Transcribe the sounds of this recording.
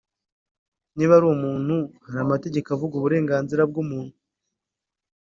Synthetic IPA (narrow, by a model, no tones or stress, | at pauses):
niβaɾumuːn̥huhaɾamate̞ɟe̞kavuɡuβuɾe̞ːŋɡaːnziɾab̚ɡumuːn̥hu